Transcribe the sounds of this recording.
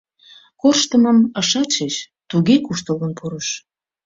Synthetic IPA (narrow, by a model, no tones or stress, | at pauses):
korʃt̪əməməʃɑt͡ɕet͡ɕ | t̪uɣekuʃt̪ələnpʰuɾəʃ